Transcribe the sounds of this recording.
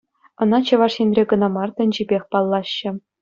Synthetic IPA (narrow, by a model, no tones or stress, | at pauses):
ɤ̆nɑt͡ɕɤ̆ʋɑʂɕenʲrʲeɡɤ̆nɑmɑrt̪ɘ̆nʲd͡ʑibʲexʲpɑlˠːɑɕːɘ̆